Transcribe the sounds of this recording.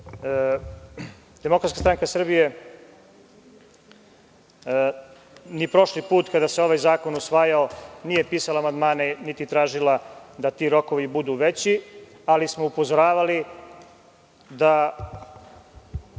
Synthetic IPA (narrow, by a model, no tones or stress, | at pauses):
d̪̥emo̞kɾat̪kast̪ɾaŋkasr̩bije | nipɾo̞ʃlipuːt̪kad̪aseo̞ʋajzaːko̞nusʋaːjaonije̞piːsalaːmand̪maːnenit̪it̪ɾaːʒilˠad̪at̪iːɾo̞ko̞ʋibud̪uːʋe̞t͡ɕi | alismoupozoɾaːʋali | d̪a